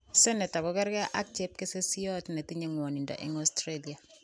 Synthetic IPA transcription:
sɛ˦nɛ˨ta˨kɔ˦kɛ˦ɾkɛ˦ʔa̰˦k̚t͡ʃep̚ke˦se˦si˦jɔ˦tne˨ti˦ɲe˨ŋwɔ˨ni˨ndɔ̰˨ʔɪ̰˦ŋɔstɾeli˨a˨

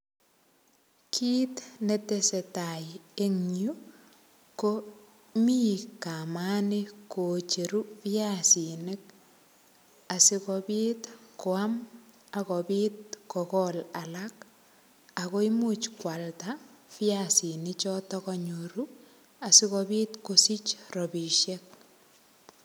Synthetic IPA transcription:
kʰiː˦tne˦te˦se˨taje˦ŋɲju˦ | ko | mi˦kamani˦kot͡ʃe˨ɾu˦fiasine˦k̚ | a˨si˦kɔbiːtko˨am | a˨kɔbi˦t̚kɔkɔla˨lak | a˨ko˦imut͡ʃkwa˨ltafi˦jasi˨nit͡ʃɔtɔkɔ˨ɲu˨ɾu | a˨si˦kɔbi˦tkosi˦t͡ʃrɔ˨bi˨ʃjɛk̚

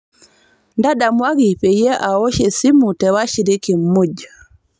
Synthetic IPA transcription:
nda˦da˨mwa˦ɡi˨pɛ˨jɛ˦ʔa˨o˦ʃɛ˨si˦mu˨tɛwa˦ʃiɾi˦ki˨mːu˦d͡ʒa

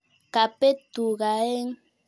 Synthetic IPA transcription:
ka˨pe˦t̪u˨ɣa˨e˦ŋ

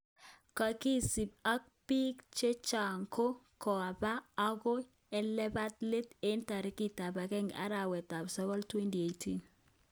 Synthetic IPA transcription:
ka˨ki˦si˨b̚a˦k̚pi˦kt͡ʃe˦t͡ʃa˨ŋko˦ | kɔ˨a˨baː˦ɡo˦ | ɛ˦lɛ˦ba˦tle˦te˦nta˨ɾɪ˦ki˦ta˨ba˨kɛ˦ŋɡa̰˦ɾa˨wɛ˨ta˨bsɔ˦kɔ˦ltwe˦nti˨e˨tʰi˦n

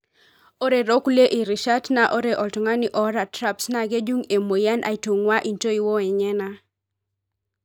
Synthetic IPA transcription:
o˦ɾe˨ɾo˦kle˦ʔi˨ɾi˨ʃa˦tna˨ʔo˦ɾe˨ʔɔ˨ltŋa˦ni˦ʔɔ˦ɾa˨tɾa˦psna˦˨ɡe˦d͡ʒu˦ŋe˨mo˨ja˦nʔa̰˨i˨tu˨ŋwa˦ʔi˨nto˦i˨wo˦ɛ˨ɲɛ˦na˦

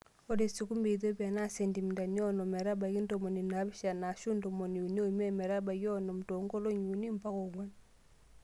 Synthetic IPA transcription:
o˦ɾe˨si˨ku˦mbe˨ð̬o˦bi˦a˨na˦˨se˨ndi˨mi˨nda˨ni˦ɔ˦nɔ˨mɛ˨ɾa˦ba˨ki˦n˦do˨mo˨ni˨na˨˦bi˦ʃa˨na˨ʃu˦ndo˨mo˨ni˨u˨ni˦o˦˨mɛ˦mɛ˨ɾa˦ba˨ɡjɔ˦nɔ˨m˨to˨ŋɡo˦lo˦ɲu˨ni˦m˨pa˦ko˨ŋwa˦n

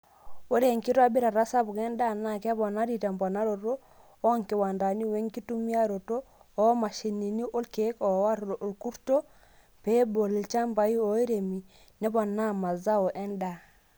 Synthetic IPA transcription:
wo˦ɾe˦˨ŋki˦to˦a˨bi˦ɾa˨ɾa˦sa˦bu˨ke˦nda˦˨na˨ke˦bɔ˨na˦ɾi˦˨ta˨mbɔ˨na˦ɾo˨ɾo˦ | o˦ŋki˨wa˨nda˨ni˦we˦ŋki˦tu˦mi˦a˦ɾo˨to˦ | ɔ˦ma˨ʃi˨ni˨ni˦ʔo˦lke˨˦kɔ˨˦wa˦ɾlo˨ʔo˨lku˦ɾto˦ | pe˦bo˨li˨t͡ʃa˦mba˨ji˦o˨˦i˦ɾe˨mi˨ | nɛ˦bɔ˨na˦ma˨za˦o˨ʔe˦nda˨

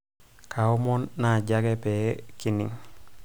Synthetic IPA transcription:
kʰa˨u˦mo˦nːa˨ɟa˦ɡe˦pe˨ki˨nḭ˨ŋ

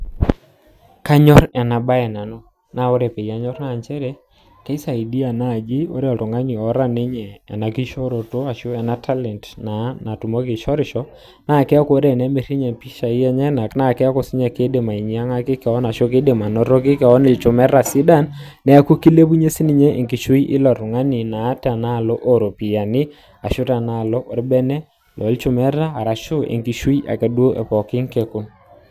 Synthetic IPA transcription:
ka˦ɲɔ˦ɾɛ˨na˨ba˦ɛ˨na˨no˦ | na˨o˦ɾe˨pɛ˨i˨a˦ɲɔ˦rna˦˨ɲt͡ʃɛ˦ɾɛ˦ | kɛ˦sa˨i˨di˦a˨na˦˨d͡ʒi˦o˦ɾe˦ɔ˨to˨ŋɡa˦ɲi˨ɔ˦ɾa˦ne˦ɲɛ̰ː˨na˨ki˦ʃɔ˦ɾo˨to˦a˨ʃo˦ɛ˨na˦tʰa˦lɛ˨ntna˨˦na˨tu˨mɔ˦kɪ˨ʃɔ˦ɾɪ˨ʃɔ˦ | na˦˨kɛ˦a˦ko˦ɾe˦˨nɛ˦me˨ɾi˦ɲɛ˨pi˦ʃa˨i˦ɛ˦ɲɛ˦na˨kna˦˨kɛ˦a˦kɔ˦˨sɪ˦ɲa˨ke˦de˨ma˨i˨ɲi˨a˦ŋa˦kɪ˦kɛ˨ɔ˦na˨ʃo˦ke˦de˨ma˨nɔ˦ɾɔ˦k̬ɪ˦kɛ˨ɔ˦ni˨lt͡ʃʊ˨mɛ˦ɾa˨si˦da˦˨nː | ɛ˨a˦ku˦ki˦le˦bu˦ɲe˦si˦ni˦ɲe˦ʔe˨ŋki˨ʃu˦i˦ʔɪ̰˦lɔ˨ɾʊ˨ŋa˦ni˨na˨˦ta˨na˦˨lɔ˦ʔo˦ɾo˨pi˨ja˨nɪ˦ | a˨ʃʊ˦ta˨na˦˨lɔ˦ʔo˨ɾbɛ˦nɛ˦ | lʔɔ̰˨˦lt͡ʃʊ˦mɛ˦raː˦˨ɾa˨ʃʊ˦ḛ˨ŋki˨ʃi˦i˦ʔa̰˨ke˨dwo˦ʔɛ̰˨pɔ˨kɪ˦ŋke˨ku˦n

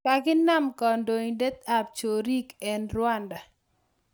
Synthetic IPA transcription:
ka˨ɡɪ˦na˦mkɔ˨ndo˨ɲde˦t̪̚a˨p̚t͡ʃo˨ɾi˦kɛ˨nɾwa˦nda˨

